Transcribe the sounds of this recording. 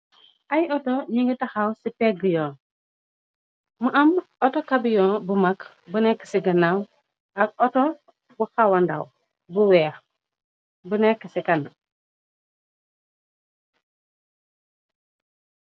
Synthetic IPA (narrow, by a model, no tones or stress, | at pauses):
ajotoɲiŋɡitaxawsipeɡijɔː | muʔɐmotokabijɔ̃ːbumak | bunekːə̥siɡɐnaw | ak̚oto | buxawanda̰w | buwɛːx | bunekːəsikɐn